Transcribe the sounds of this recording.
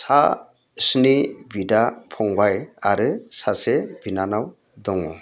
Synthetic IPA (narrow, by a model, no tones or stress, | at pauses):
sa | snibidapʰɔŋbajaɾɯsasebinanaw | dɔŋɔ